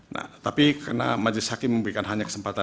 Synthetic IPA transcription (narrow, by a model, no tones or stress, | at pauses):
na̰ht̪apikarna̰mad͡ʒlɪshakɪmːəmbəɾikanɦaɲakə̥səmpat̪a